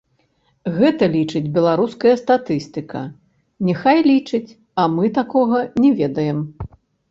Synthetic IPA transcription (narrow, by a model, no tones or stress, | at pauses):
ɣɛt̪ɐlʲit͡ʂɨd͡zʲbʲɛlˠaɾuskɐjɐst̪at̪ɨst̪ɨkɐ̰ | nʲɛxajlʲit͡ʂɨt͡sʲ | ɐmɨt̪akɔɣɐnʲɛvʲɛd̪ɐjɛm